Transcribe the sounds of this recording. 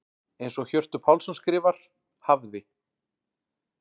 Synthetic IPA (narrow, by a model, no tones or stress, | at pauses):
ejnsɔɣçœr̥t̪ʏpʰawlsɔnskɾɪːvaɾ̥ | havðɪ